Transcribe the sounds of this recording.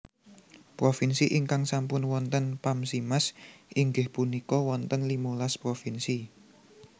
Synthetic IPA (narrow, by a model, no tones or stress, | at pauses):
pɾofinsiʔiŋkaŋsampʊnwɔnt̪ənpamsimasʔiŋɡɪhpunikɔwɔnt̪ənlimulaspɾofinsi